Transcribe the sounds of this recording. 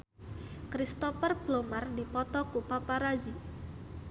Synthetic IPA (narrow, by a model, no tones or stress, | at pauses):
kɾist̪ɔfərb̥lomardipɔt̪ɔkupapaɾazi